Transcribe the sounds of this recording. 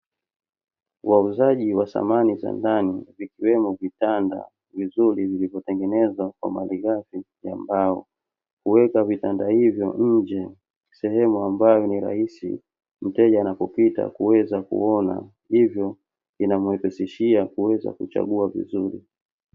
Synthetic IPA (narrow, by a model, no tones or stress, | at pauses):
wauzaʄiwasa̰maniza̰ndanivikiwɛmɔvitanda̰ | vizuɾivilivɔtɛŋɡɛnɛzwakwa̰maliɣafi | jambaɔ̰ | kuwɛkavitandahivjɔɲ̩d͡ʒɛ | sɛhɛmuambajɔniɾa̰hisḭ | m̩tɛʄaːnapɔpita̰kuwɛzakṵɔna̰ | hivjɔ | inamuɛpɛsiʃiakuwɛza̰kut͡ʃa̰ɠuavḭzuɾḭ